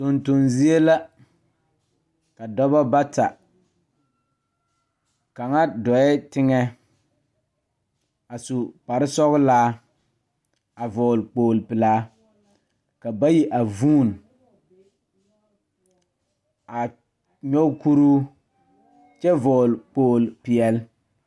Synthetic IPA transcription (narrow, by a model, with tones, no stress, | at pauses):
to˨nto˨nzi˦e˦la˦ | ka˨dɔ˦ba˦ba˦ta˨ | ka˨ŋa˦dɔ˨ɛ˦tɪ˦ŋɛ˦ | a˨su˨pa˨ɾɪ˦sɔ˦ɣɪ˦laː˦ | a˨vɔː˨lk͡poː˨lpɪ˨laː˦ | ka˨ba˦ji˦ʔa˨vuː˦˨n | a˨ | ɲɔ˦ku˦ɾuː˦ | t͡ʃɛ˦vɔː˨lk͡poː˨lpɪ˨ɛ˨l